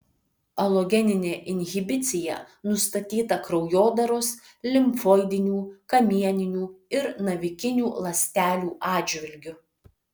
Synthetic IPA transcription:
ɐlˠoɡʲɛnʲɪnʲeːʔɪnʲɣʲɪbʲɪt̪sʲɪjɛ̰ | nʊst̪ɐt̪ʲiːt̪ɐkɾɒʊjoːd̪ɐɾoːs | lʲɪmfoːɪd̪ʲɪnʲuːkɐmʲiɛnʲɪnʲuːɪɾnɐʋʲɪkʲɪnʲuːlˠɐsʲt̪ʲæːlʲuːʔɑːd͡ʒʲʋʲɪlʲɡʲʊ

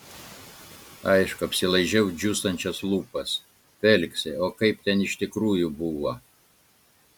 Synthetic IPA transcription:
ɐɪʃkʊɐpʲsʲɪlˠɐɪʒʲɛʊd͡ʒʲust̪ɐnʲt͡ʃʲɛslˠuːpɐs | fʲɛlʲksʲɛoːkɐɪpt̪ʲɛnɪʃt̪ʲɪkɾuːjʊbuʋo

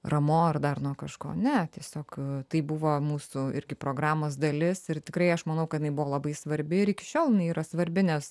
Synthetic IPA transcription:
rɐmoːɐrd̪ɐrnuːkɐʃko̰ːnʲɛt̪ʲiɛsʲoːkt̪ɐɪbʊʋoːmuːsʊɪ̰ɾʲɡʲɪpɾoːɡɾɑːmoːs̬d̪ɐlʲɪsɪɾt̪ʲɪkɾɐɪɐʃmɐnɐʊkɐt̪jɪnɐɪbʊʋoːlˠɐbɐɪsʋɐɾʲbʲɪɪɾɪkʲɪ̥ʃʲoːlˠjɪnɐɪiːɾɐsʋɐɾʲbʲɪnʲɛs

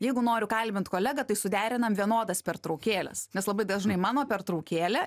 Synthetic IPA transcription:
jɛɪɡʊnoːɾʲʊkɐlʲbʲɪnt̪koːlʲæɡɐt̪ɐɪsʊd̪ʲæːɾʲɪnɐmʋʲiɛnoːd̪ɐspʲɛrt̪ɾɐʊkʲeːlʲɛ̰snʲɛslˠɐbɐɪd̪ɐʒnɐɪmɑːnoːpʲɛrt̪ɾɐʊkʲeːlʲɛ

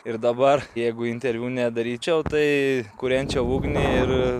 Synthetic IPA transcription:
ɪɾd̪ɐbɐrjɛɪɡʊɪnʲt̪ʲɛɾʲʋʲuːnʲɛd̪ɐɾʲiːt͡ʃʲɛʊt̪ɐɪkʊɾʲɛnʲt͡ʃʲɛʊuːɡnʲɪɪɾ

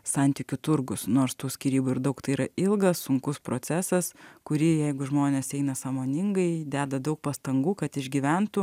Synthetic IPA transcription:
sɐnʲt̪ʲiːkʲʊt̪ʊɾɡʊsnoːɾst̪uːsʲkʲiːɾʲiːbʊɪɾd̪ɐʊkt̪ɐɪiɾɐɪlˠɡɐsːʊŋkʊspɾoːt͡s̪ʲæːsɐskʊɾʲijɛɪɡʊʒmoːnʲeːsɛɪnɐsɑːmoːnʲɪŋɡɐɪd̪ʲæːd̪ɐd̪ɐʊk̚pɐst̪ɐŋɡuːkɐt̪ɪʒʲɡʲiʋʲɛnt̪ʊ

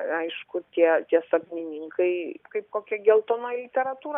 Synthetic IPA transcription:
ɐɪʃkʊt̪ʲiɛt̪ʲiɛsɐknʲɪnʲɪŋkʰɐɪkɐɪp̚koːkʲɛɡʲɛlˠt̪oːnoːjlʲɪt̪ʲɛɾɐt̪uːɾɐ

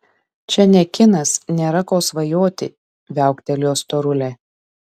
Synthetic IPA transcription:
t͡ʃʲɛnʲɛkʲɪnɐsnʲeːɾɐkoːsʋɐjoːt̪ʲɪ̰ | ʋʲæˑʊkt̪ʲɛlʲjoːst̪oːɾʊlʲɛ

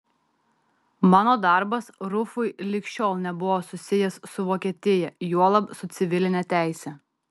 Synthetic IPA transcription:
mɑːnoːd̪ɑˑɾbɐsɾʊfʊɪlʲɪkʲʃʲoːlˠnʲɛbʊʋoːsʊsʲɪjɛssʊʋoːkʲiɛt̪ʲɪjɛjuɔlˠɐpsʊt̪sʲɪʋʲɪlʲɪnʲɛt̪ʲæˑɪsʲɛ

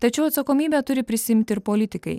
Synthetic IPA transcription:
t̪ɐt͡ʃʲɛʊɐt̪sɐkoːmʲiːbʲɛt̪ʊɾʲɪpʲɾʲɪsʲɪɪmʲt̪ʲɪɪɾpoːlʲɪt̪ʲɪkɐ̰ɪ

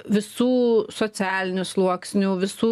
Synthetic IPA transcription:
ʋʲɪsuːsoːsʲæːlʲɪnʲʊslˠuɔksʲnʲuːʋʲɪsuː

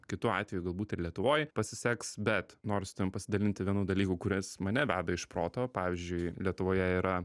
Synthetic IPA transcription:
kʲɪt̪uɑ̰ːt̪ʲʋʲɛjuɡɐlˠbuːt̪ɪrlʲiɛt̪ʊʋoːjpɐsʲɪsʲæksbʲɛt̪noːɾʲst̪ʊɪmpɐsʲɪd̪ɐlʲɪnʲt̪ʲɪʋʲiɛnuːd̪ɐlʲiːkʊkʊɾʲɪsmɐnʲɛbʲæ̰ːbʲɛɪʃpɾoːt̪oːpɑːʋʲɪzʲd͡ʒʲʊɪlʲiɛt̪ʊʋoːjɛiɾɐ

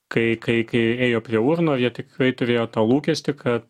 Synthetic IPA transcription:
kɐɪkɐɪkɐɪeːjoːpʲɾʲiɛʊrnoːɐjiɛt̪ʲɪkɾɐɪt̪ʊɾʲeːjoːt̪ɑːlˠuːkʲɛsʲt̪ʲɪkʰɐt̪

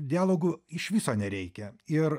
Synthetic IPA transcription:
d̪ʲɪæːlˠoːɡʊɪʃʋʲɪsoːnʲɛɾʲɛɪkʲɛɪɾ

